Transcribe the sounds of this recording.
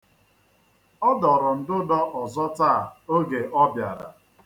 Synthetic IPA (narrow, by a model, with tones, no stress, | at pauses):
ɔ˦dɔ˨ɾʊ˨n̩˨dʊ˦dɔ˦ʔɔ˨zɔ˦ta˦˨o˦ɡe˨ʔɔ˦bja̰˨ɾa̰˨